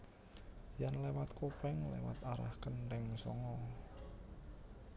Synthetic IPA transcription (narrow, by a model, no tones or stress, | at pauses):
janlewat̪kopɛŋlḛwa̰t̪aɾa̰hkənɾɛŋsɔ̰ŋɔ